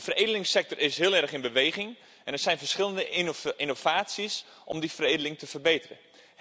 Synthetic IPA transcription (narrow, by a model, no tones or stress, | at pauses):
əfəredəlɪŋsɛk̚tɔrɪsɦɪəlˠɛrχɪnbəʋeːɣɪŋ | ʔɛnɛɹsɛjnfərsχɪlˠəndəɪnov̥aːtsis | ʔɔ̰mdifəreːdəlɪŋtʰəfərbejtərə̰